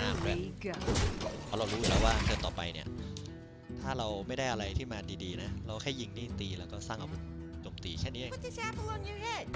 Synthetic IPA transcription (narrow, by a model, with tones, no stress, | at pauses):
aː˧˩mbɛː˨˩kʰa˨˩ɾa˧wɾuː˦˥˧lɛː˦˥waː˥˩tʰɤː˧t̪ɔː˨˩pa̰˧jni˥˩ɐ | t̪ʰaː˥˩ɾa˧wma˥˩jda˥˩jʔa˧ɾa˧jt̪ʰiː˥˩maː˧diː˧diː˧na˦˥ɾa˧wkʰa˥˩ji˧ŋniː˥˩t̪iː˧lɛː˦˥wkɔː˥˩saː˥˩ŋʔa˨˧wt͡ɕoː˧mt̪iː˧t͡ɕʰɛ˥˩nːiː˦˥ʔt̪ʰi˧˥t͡ɕɛ˧˥pʰu˧wa˧ŋju˧ɦe˥˩